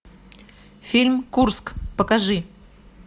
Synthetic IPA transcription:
fʲilʲmkurskpəkaʐɨ

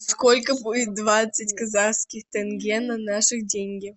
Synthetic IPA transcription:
sskolʲkəbudʲɪt̪̚d̪vat̪sɨtʲkɐzaskʲɪxt̪ɛnɡʲenːɐnaʂɨdʲenʲɡʲɪ

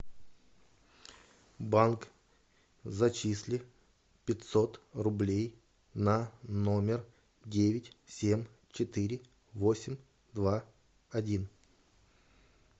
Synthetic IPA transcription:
bank | zɐt͡ɕisʲlʲɪ | pʲɪt̪ʲsot̪rʊblʲej | nɐno̞mʲɪr | dʲevʲɪtʲsʲemʲ | t͡ɕɪt̪ɨɾʲɪ | vosʲɪmʲ | d̪va | ɐdʲin

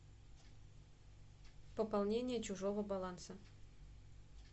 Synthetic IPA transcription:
pəpɐlˠnʲenʲɪjət͡ɕʊʐovəbɐlˠansə

